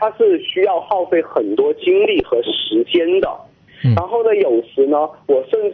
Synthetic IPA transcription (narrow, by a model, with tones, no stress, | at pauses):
t̪ʰa˥ʂɻ̩˥˩ɕy˥jɑ˥˧ʊxɑ˥˧ʊfe˥˩ɪxə˨˩nt̪wɔ˥t͡ɕi˥ŋli˥˩xɤ˧˥ʂɻ̩˧˥t͡ɕjɛ˥nd̪ə̰˨ | ɻa˧˥nxo˥˩ʊd̪ə˩jo˨˩ʊʂɻ̩˧˥nə˧wɔ˨˩ʂə˥˧nʈ͡ʂ